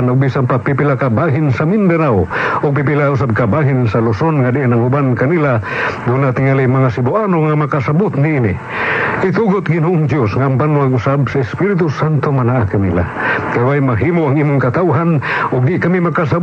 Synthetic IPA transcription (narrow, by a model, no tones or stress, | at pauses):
nʊɡ̚bisanpapipilakabaɦɪnsamind̪anawʊɡ̚pipilaʊs̬ab̚kabaɦɪnsalʊsonŋadɪʔanaŋʊbankanilad̪unat̪ɪŋalimɐŋasɪbʊʔanoŋamakasabʊt̪niinɪ | ɪt̪uɡʊt̪ɡɪnoʔʊŋd̪josŋaːmbanwaŋʊsabsaɪspiɾɪt̪̬ʊsant̪omanaʔakɐnila̰kajwajmaɦimoʔaŋʔimʊŋkat̪awɦanʊɡ̚d̪ɪʔkamimakasa